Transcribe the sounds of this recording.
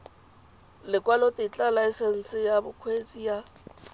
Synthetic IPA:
lɪkʼwalɔtʼɪt͡ɬʼalaɛsɛn̩sɪjabʊkʰwet͡sʼija

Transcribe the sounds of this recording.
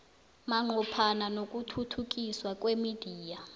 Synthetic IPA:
maŋ͡ǃʱupʰananok̬ʼutʰutʰuk̬ʼiswak̬ʼwemid̥ʱiːja

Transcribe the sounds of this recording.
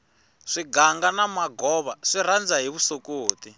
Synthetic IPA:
ʂiɡaŋɡanamaɡɔβaʂiɾand͡zaɦiβusokoːti

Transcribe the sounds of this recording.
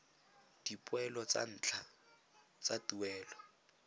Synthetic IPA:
d̥ipʼwɛlɔt͡sa̰n̩ːt͡ɬʰa | t͡satuwɛːlɔ

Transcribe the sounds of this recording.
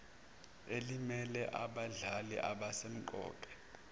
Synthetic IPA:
elimɛlɛʔaɓaɮalḭʔaɓasem̩ǃɔ̰ːǃʰʼɛ̥

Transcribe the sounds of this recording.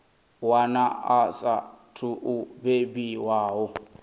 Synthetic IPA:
wanaasatʰuʔubebiwaːɦɔ

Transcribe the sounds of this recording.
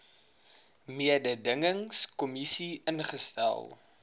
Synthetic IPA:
miədədəŋəŋskɔmisiʔənχəstæ̰lˠ

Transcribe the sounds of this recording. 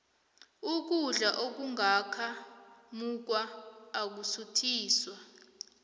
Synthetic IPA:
uk̬uɮaʔok̬uŋʱakʰamuk̬waːk̬usutʰiːswa

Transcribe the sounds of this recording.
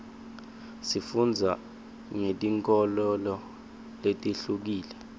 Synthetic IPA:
sifund͡zʱa | ŋetʼiŋkʼɔlɔlɔ | letʼiɬuk̬iːlɛ

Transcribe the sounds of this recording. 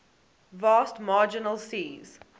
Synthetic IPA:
vaːstmaːd͡ʒɪnəlsiːz̥

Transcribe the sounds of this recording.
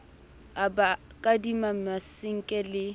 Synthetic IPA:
abakʼadimamasɪŋ̩kʼɛlɪ

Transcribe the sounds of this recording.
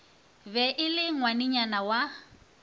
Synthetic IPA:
bɛʔɪlɪŋwanɪɲanawa

